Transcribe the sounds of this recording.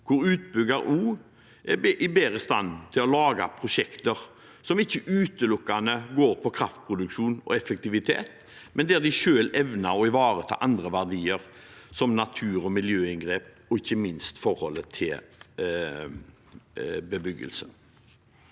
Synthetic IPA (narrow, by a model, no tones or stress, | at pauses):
kʰʊɾʉːt̪̚bʏɡɑɾuː | ʔɛʔɪbeːɾəst̪ɑ̰nt̪ʰɪlɔlɑːɡa̰pʰɾʊʂɛkt̪əʁ | sɔmɪçːəʔʉːt̪əlʊkːanəɡoːɾpʰɔkʰɾɑft̪̚pʰʁʊd̪ʉkʃuːnɔ̰ɛfək̚t̪ɪʋɪt̪ʰḛːt̪ | mɛnd̪ɛæd̪ɪʃøːlɛʋnaɔɪʋɑːɾət̪ʰɑ̰ːʔɑnd̪ʁəʋæʁd̪iːəʁsɔmnɑt̪ʰʉːɾɔmɪljøːɪŋɡɾeːp̚ | ɔɪçːəmɪnst̪fɔɾhɔlːət̪ʰɪl | bəbʏɡːə̰lsə